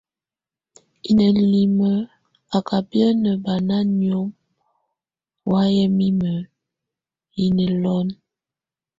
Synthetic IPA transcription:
i˨nə˨li˨mə˦ | a˨ka˨bjə˦nə˨ba˨na˦njo˦m | wa˦jɛ˦mi˦mə˨ | i˨ne˨lɔ˦n

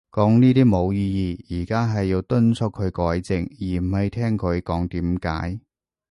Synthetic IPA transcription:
kɔː˨˥ŋniː˥t̪iː˥mo˨˧wjiː˧jiː˨˧jiː˨˩kaː˥ɦɐ˨jːiː˨˧wt̪ɵ˥nt͡sʰʊ˥kʰɵ˨˧ɥkɔː˨˥jt͡sɪ˨ŋjiː˨˩m̩˨˩hɐ˨jt̪ʰɛː˥ŋkʰɵ˨˧ɥkɔː˨˥ŋt̪iː˨˥mka̰ː˨˥j

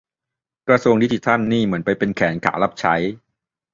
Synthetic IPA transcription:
kɾa˧su˧əŋdi˦˥t͡ɕʰi˧˩t̪ʰa˥˩nːiː˥˩mɯ˩˦ənpa˧jpe˧nkʰɛː˩˦nkʰa̰ː˩˦wla˦˥p̚t͡ɕʰa˦˥j

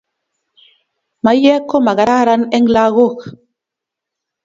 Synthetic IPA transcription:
ma˨jɛ˦kːo˦ma˨ɣa˨ɾa˦ɾa˦nɛ˦ŋla˦ɣo˦˨k

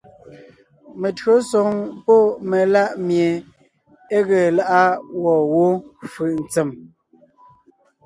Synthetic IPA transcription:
me˨tɰo˦sɔ˨ŋpɔ˦me˨la˦˨ʔmje˨ | e˦ɣe˨la˦ʔa˦wɔ˨wo˦fɯ˨ʔn̩˨t͡se˨m

